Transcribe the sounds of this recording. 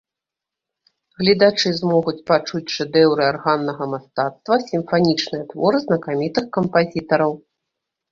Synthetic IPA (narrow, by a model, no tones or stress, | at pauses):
ɣlʲid̪at͡ʂɨzmɔɣut͡sʲpat͡ʂut͡sʲʂɛd̪ɛwɾɨarɣanːɐɣɐmast̪at̪st̪vɐsʲimfanʲit͡ʂnɨjɐt̪vɔɾɨznɐkamʲit̪ɨxkɐmpazʲit̪ɐɾɐw